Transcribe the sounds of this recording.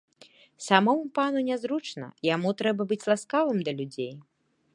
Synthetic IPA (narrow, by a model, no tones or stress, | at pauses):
samɔwupanunʲazɾut͡ʂnɐ̰jamut̪ɾɛbɐbɨt͡sʲlˠaskavɨmd̪ɐlʲud͡zʲej